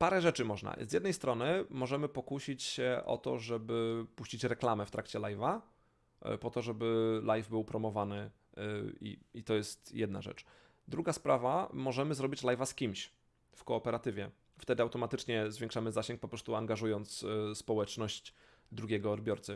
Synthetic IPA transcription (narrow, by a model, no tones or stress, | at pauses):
paɾɛʐɛt͡ʂɘmɔʐna̰zʲjɛd̪nɛjst̪ɾɔnɘmɔʐɛmɘpɔkuɕit͡ɕɕɛʔɔ̰t̪ɔ̰ʐɛbɘpuɕt͡ɕit͡ɕɾɛklamɛft̪ɾʔakt͡ɕɛlajva̰ | pɔt̪ɔʐɛbɘlajvbɘwpɾɔmɔvanɘ | ḭit̪ɔjɛst̪jɛd̪̚na̰ʐɛ̰t͡ʂ | d̪ɾuɡaspɾavamɔʐɛmɘzɾɔbʲit͡ɕlajvaskʲimɕ | fkɔːpɛɾat̪ɘvʲjɛ | ft̪ɛd̪ɘawt̪ɔmat̪ɘt͡ʂɲɛzvʲjɛ̃ŋkʂamɘzaɕɛŋk̚pɔpɾɔst̪uaŋɡaʐujɔnt̪sspɔwɛt͡ʂnɔɕ | d̪ɾuɡʲɛɡɔːd̪bʲjɔɾt̪sɘ